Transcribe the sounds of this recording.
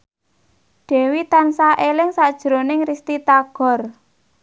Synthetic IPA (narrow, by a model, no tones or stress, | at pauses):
ɖ̥ɛ̤wit̪ansaʔelɪŋsad̥ʒ̥ɾonɪŋrist̪it̪aɡ̥ɔ̤r